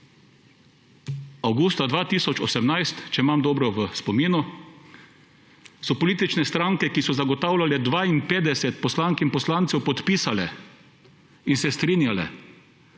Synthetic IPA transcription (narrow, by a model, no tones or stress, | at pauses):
awɡuːst̪ad̪ʋaːt̪iːsɔt͡ʃɔsɛmnajst̪t͡ʃɛimamd̪ɔːbɾɔʋəspɔmiːnu | sɔpɔliːt̪it͡ʃnɛst̪ɾaŋkɛkisɔzaɡɔt̪awlʲalɛd̪ʋaːinpeːd̪ɛsɛt̪̚pɔslaŋkinpɔslant̪sɛwpɔt̪piːsalɛ̰ | insɛst̪ɾiːnjalɛ̰